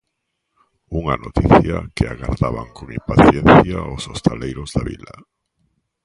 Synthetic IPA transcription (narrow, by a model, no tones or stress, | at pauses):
uŋanot̪iθjakɪaɣaɾðaβaŋkoŋimpaθjɛnθjaosost̪alejɾʊzðaβḭla